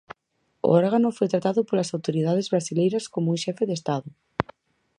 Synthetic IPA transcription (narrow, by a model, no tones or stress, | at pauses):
o̰ɔɾɣanofojt̪ɾat̪aðopolasawt̪oɾið̞að̞ezβɾasilejɾaskomouʃɛfeðest̪aðʊ